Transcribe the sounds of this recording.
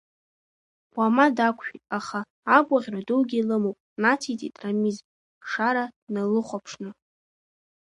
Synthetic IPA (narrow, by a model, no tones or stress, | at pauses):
wʷamadakʷʰʃᶣitʼaχaː | ɡʷʼaʁʲraduwɡʲilɨmowpʼnatʰitʼḭtʼramizʼ | ʂaɾanalɨχʷapʰʂnɨ